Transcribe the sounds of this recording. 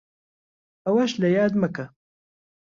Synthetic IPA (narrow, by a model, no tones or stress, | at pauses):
ɐwɐʃlɐjaːd̪mɐkɐ